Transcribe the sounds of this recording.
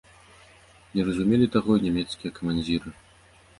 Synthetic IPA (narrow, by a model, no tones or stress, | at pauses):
nʲɛrɐzumʲelʲit̪aɣɔinʲamʲɛt̪skʲijɐkɐmanʲd͡zʲiɾɨ